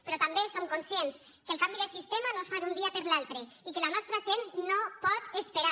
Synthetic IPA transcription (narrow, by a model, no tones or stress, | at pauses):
pɾɔt̪ambesomkonsjens | kəlˠkambiðesist̪emanosfaðund̪iapeɾlalˠt̪ɾe | ikelanɔst̪ɾaʒennːopɔt̪espeɾa